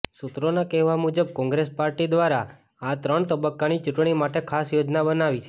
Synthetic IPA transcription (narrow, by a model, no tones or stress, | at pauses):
sut̪ɾonakɛɦʋamud͡ʒəb̚kɔ̃ŋɡɾespaɾʈid̪ʋaɾa | at̪ɾəɳt̪əbəkːanit͡ʃʊʈɳ̃imaʈekʰasjod͡ʒnabənaʋit͡ʃʰe